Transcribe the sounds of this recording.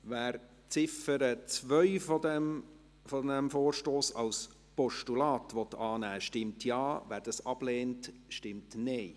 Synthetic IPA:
væːɾ | t͡sɪfəɾət͡svœʏfɔdɛm | fodɛmfoːɾʃtoːsɑls | pɔʃtulɑːtʋɔt̪ːɑːnæːʃtɪmtʰjɑːvæːɾd̥ɑsɑb̥leːntʃtɪmtneɪ

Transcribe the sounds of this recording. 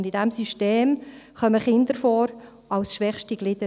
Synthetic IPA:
ndidɛmsyʃteːmχœməχɪnd̪əɾfɔːɾ | ɑlsʃʋɛχʃtiɡlɪd̥ə

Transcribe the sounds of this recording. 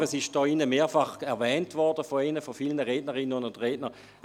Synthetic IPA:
əsɪʃd̥ɔːɪnəmeːɐfaχɛɐvɛːntvɔɐdəfɔɛnəfɔfilnəʁeːdnəʁɪnːənʊnʊndʁeːdnə

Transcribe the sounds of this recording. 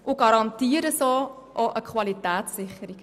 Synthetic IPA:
ʔʊɡ̥ɑɾɑntiːəɾəsoː | ʔoʔəkχʋɑlitæːtsːɪχəɾiɡ̥

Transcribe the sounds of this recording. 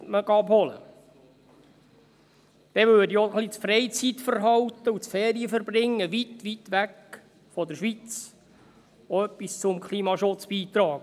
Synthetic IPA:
məɡɑbhɔlə̰ | d̪̥ɛʋøːdiɔχlit͡sfɾɛɪt͡sit̪fəɾɦɑwt̪əusfɛːɾiəfəɾbrɪŋːəʋit̪ʋit̪ʋæk | fɔd̪əɾʃʋit͡s | oœpːist͡sʊmkʰliːmɑʃʊt͡sb̥iːt̪ɾɑːk

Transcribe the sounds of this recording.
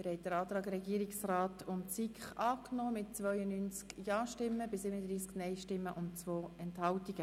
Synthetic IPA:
mɪɾhɛɪt̚d̥əɾɑːt̪ɾɑːɡəɾɛɡiːəɾɪksraːtʊnsikχɑːknoːmɪt̚t͡svœʏənyːnt͡skjɑːʃtɪmːəbɪsɪbənədɾiːsknɛɪjʃtɪmːəʔʊnt͡sʋoːɛnthɑltiɡ̥ə

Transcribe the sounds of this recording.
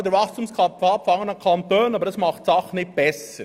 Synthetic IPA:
d̪əvɑχstumskʰɑpɑpfɑŋənɑkʰɑntøːnɑbəɾɑsmɑχtsɑχnɪt̚b̥ɛsə

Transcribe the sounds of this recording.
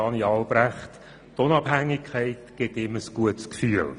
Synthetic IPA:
ɑniɑːlˠb̥ɾæχt | tʊnɑb̥ɦæŋːɪkʰχæɪtɡ̥ɪt̪ɪməsɡ̥uətskfyːəl

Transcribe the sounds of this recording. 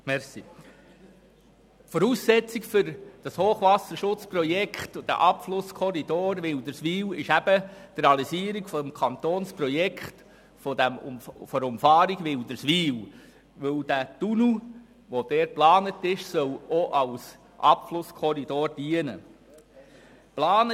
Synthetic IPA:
mɛɾsi | fɔɾuːsːɛt͡sikfʏɾd̥ɑshoːχʋɑsəɾʃʊt͡sprɔjɛkʰχt̪ʊd̥̪æ̰ʔɑpflʊskʰɔɾid̪oːɾʋɪld̪əɾsʋiːwɪʃæb̥əd̥ɾɑlisiəɾiɡfɔdɛmkʰɑnt̪oːnsprɔjɛkχt | fɔdæm̰mfɔʊmfɑːɾiɡʋɪld̥̪əɾsʋiːw | ʋɵld̥ætunu | ʋod̥ɛːɾ̚plɑːnətɪʃsœwoʔɑls | ʔɑpflʊskʰɔɾidoːɾd̥iənə̰ | plɑːnə

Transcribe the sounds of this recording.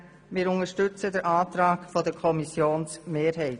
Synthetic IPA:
mɪːɾʊŋəʃtʏt͡sədəɾʔɑːtɾɑːkfɔdəkʰɔmisjoːnsmeːɾɦɛɪt

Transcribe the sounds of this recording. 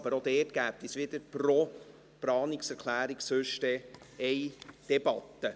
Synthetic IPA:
b̥əɾod̪ɛːtɡ̥æːp̚t̪isʋɪd̥̪əɾprɔ | pɾɑːniksɛɾkʰlæːɾiksʏʃtɛ | ɛjd̪̥ɛbɑt̪ːə

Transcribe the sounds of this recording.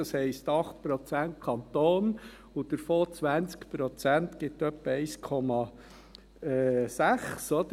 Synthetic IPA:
ɑshɛɪstɑχt̪̚pɾɔt͡sænt̚kʰɑnt̪oːn | ud̥̪əɾfoːt͡sʋænt͡skpɾɔt͡sænt̪ɡ̥ɪt̪ːœpːəɛɪskʰɔmɑ | ɛːsæχsɔd̥̪ə

